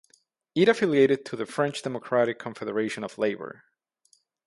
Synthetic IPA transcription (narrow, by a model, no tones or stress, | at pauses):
iɾɨfɪlˠjeɪɾɨd̚tʰɨðɨfɹɛ̃nt͡ʃd̥ɛməkʰɹ̥æɾɨkʰːə̃ɱfɛðə˞eɪʃɨ̃nʌvleɪbə̰˞